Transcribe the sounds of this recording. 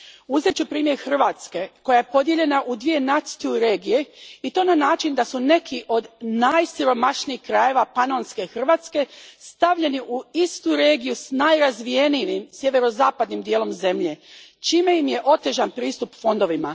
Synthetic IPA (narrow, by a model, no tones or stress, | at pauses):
uzet͡ɕupɾiːmje̞ɾxr̩ʋaːt̪ske̞ko̞jaje̞po̞d̪je̞ʎe̞naʔud̪ʋije̞nat̪siuɾe̞ːɡije̞it̪o̞ːnanaːt͡ʃind̪asune̞kʰiʔo̞d̪najsiɾo̞maʃniixkɾaje̞ʋapanonske̞xr̩ʋaːt̪ske̞st̪aʋʎe̞niʔuist̪uɾe̞ːɡijusnajɾazʋije̞niʋimsʲje̞ʋe̞ɾo̞zaːpad̪nimd̪jelo̞mze̞mʎe̞t͡ʃiːme̞jimje̞ʔo̞t̪e̞ʒanpɾiːst̪upfo̞nd̪o̞ʋima